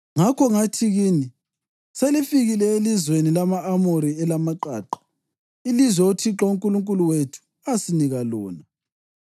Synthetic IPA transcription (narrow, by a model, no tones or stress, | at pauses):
ŋakʰɔŋatʰiɣiːni | selifiɣilɛelizwenilamaʔːmoɾiɛlamaǃaːǃḁ | ilizwɛotʰiǁɔuŋkʼuluŋkʼuluwetʰu̥ | asiniɣalɔːna